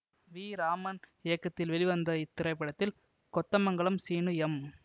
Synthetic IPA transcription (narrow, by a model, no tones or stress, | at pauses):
ʋiːɾaːmɐnɪjɐkːɐt̪ːɪlʋɛɭɪʋɐnd̪ɐɪt̪ːɪɾɐɪpːɐɽɐt̪ːɪl | kɔt̪ːɐmɐŋɡɐɭɐmsiːnɯɛm